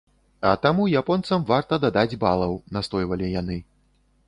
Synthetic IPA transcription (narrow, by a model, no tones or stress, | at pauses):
ɐ̰t̪amujapɔnt̪sɐmvart̪ɐd̪ad̪ad͡zʲbalˠɐwnast̪ɔjvɐlʲijanɨ